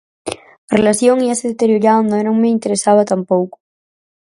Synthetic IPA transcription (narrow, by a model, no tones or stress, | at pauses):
ɐrelaθjoŋiaseðet̪eɾjoɾaond̪oeɾõŋmeint̪eɾesaβɐt̪ampowkʊ̥